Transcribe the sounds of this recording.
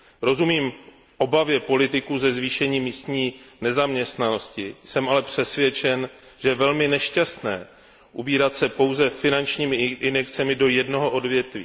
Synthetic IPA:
ɾo̞zumiːm | ʔo̞bavjɛpo̞lɪt̪ɪkuzɛzviːʃɛɲiːmiːst̪ɲiːnɛzamɲɛst̪nano̞scɪsɛmʔalɛpr̝̥ɛsvjɛt͡ʃɛn | ʒ̥ɛvɛlmɪnɛʃcast̪nɛ̰ː | ʔubiːɾat̪sɛpo̞wzɛfɪnant͡ʃɲiːmɪʔɪnɛkt͡sɛmɪdo̞jɛdnoɦo̞ʔo̞dvjɛt̪vḭː

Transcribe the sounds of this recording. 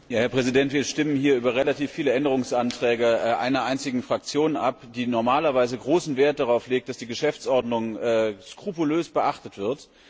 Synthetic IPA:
jaːhɛɐpʁ̥ɛzidɛntviːɐʃtɪmənhiːɐʔyːbɐʁelatiːfːiːləɛndəʁ̞ʊŋsʔantʁ̥ɛːɡəʔa̰ɪnɐʔaɪnt͡sɪɡŋ̩fʁ̥ak̚t͡sjoːnʔa̰pd̥iːnɔɐmaːlɐvaɪzəɡʁoːsn̩veːɐt̚d̥aʁaʊfleːk̚td̥asd̥iːɡəʃɛft͡sʔɔɐdnʊŋɛːskʁ̥upuløːsb̥əʔaχtətv̥ɪɐt

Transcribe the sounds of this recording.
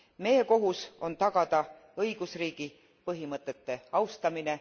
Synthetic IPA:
me̞je̞ko̞ɦuso̞nt̪ɑɡ̥ɑd̪̥ɑ | ɤjɡ̥usriːɡ̥i | pɤɦimɤt̪ːˑet̪ːe̞ɑwst̪ɑmine̞

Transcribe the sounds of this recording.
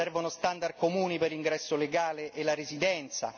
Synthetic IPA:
ɛrvonost̪and̪ard̪̚komuːniperiŋɡɾɛsːoleɡaːleʔelːaɾezid̪ɛnt̪sa̰

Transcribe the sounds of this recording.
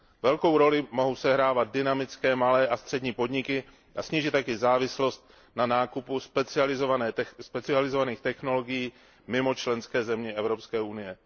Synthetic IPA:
vɛlko̞wɾo̞lɪmo̞ɦowsɛɦɾaːvad̪̚dɪnamɪt͡skɛːmalɛːʔast̪r̥ɛdɲiːpo̞dɲɪkɪ | ʔasɲiːʒɪt̪ːakɪzaːvɪslo̞st̪̚ | nanaːkupuspɛt͡sɪalɪzovanɛːɛspɛt͡sɪalɪzo̞vaniːxt̪ɛxno̞lo̞ɡɪjiː | mɪmo̞t͡ʃlɛnskɛːzɛmɲɛʔɛvɾo̞pskɛːʔunɪjɛ

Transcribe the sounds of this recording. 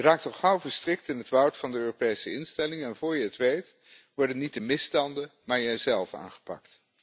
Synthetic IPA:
jəraːk̚tɔχʌwvəɹstrɪk̚tɪnɦətʋɔwtfɑndəøːropejsəɪnstɛlɪŋəɛnvʊːɹjəətʋejt | ʋɔɹdənit̚dəmɪstɑndəmaːɹjəzɛlˠfa̰ːnχə̥pɑ̰kt

